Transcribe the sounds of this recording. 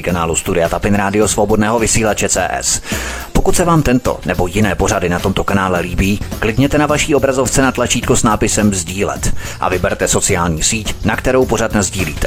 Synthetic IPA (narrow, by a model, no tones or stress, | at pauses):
kanaːlust̪udɪat̪apɪnɾaːdɪo̞svobo̞dnɛːɦo̞vɪsiːlat͡ʃɛt͡sɛ̰ːʔɛ̰s | po̞kut̪sɛvaːmt̪ɛnt̪o̞̰nɛbo̞jɪnɛːpo̞ɾadɪnat̪o̞mt̪o̞kanaːlɛliːbiːklɪdɲɛt̪ɛnavaʃiːo̞bɾazo̞ft͡sɛnat̪lat͡ʃiːt̪kosnaːpɪsɛmzɟiːlɛ̰t̪ʔa̰vɪbɛɾt̪ɛso̞t͡sɪaːlɲiːsiːcnakt̪ɛɾo̞wpo̞ɾat̪nazɟiːliːt̪ɛ̥